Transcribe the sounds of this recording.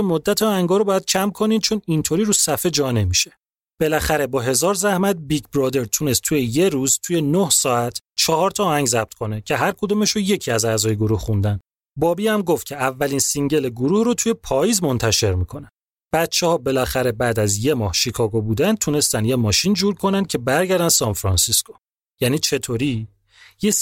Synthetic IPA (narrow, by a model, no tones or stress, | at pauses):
emod̪ːæt̪ʰeɒːhæŋɡɒːɾobɒːjæd̪̥̚cʰæmkʰo̞niːnd̪̚t͡ʃʰo̞nint̪ʰoɾiɾusæfe̞d͡ʒɒːne̞miʃe̞̥ | b̥e̞læxæɾe̞bɒːɦe̞zɒːɾzæhmæt̪̚biɡbɾɒːd̪e̞ɾt̪ʰune̞st̪ʰujeje̞ɾuːzt̪ʰuje̞nohsɒːæt̪ʰt͡ʃʰɒɦɒɾt̪ʰɒːhæŋɟzæb̥̚t̪̚kʰo̞necʰe̞ɦæɾkʰod̪uːmeʃoje̞cʰiæzæzɒːjeɡo̞ɾuhχund̪æn | bɒːbiæmɡoft̪cʰe̞ævːælinsiŋɟe̞leɡoɾuhrot̪ʰuje̞pʰɒːjiːzmo̞nt̪ʰæʃe̞ɾmikʰo̞næ | b̥æt̪t͡ʃʰːehɒːbe̞læxæɾe̞bæd̪æzje̞mɒːhʃikʰɒːɡobuːd̪ænd̪̚t̪ʰune̞st̪ænd̪jemɒːʃind͡ʒuːɾkʰo̞nænd̪̚cʰe̞bæɾɟæɾd̪ænd̪sɒnfɾɒnsiskʰo | jæniːt͡ʃʰe̞t̪ʰoɾi | je